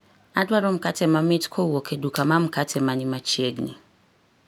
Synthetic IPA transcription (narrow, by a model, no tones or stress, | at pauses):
adwaɾɔm̩katʰɛmãmĩtkʰɔuɔkʰɛdukʰamãm̩kʰatʰɛmãnĩmãt͡ʃʰieɡnḭ̃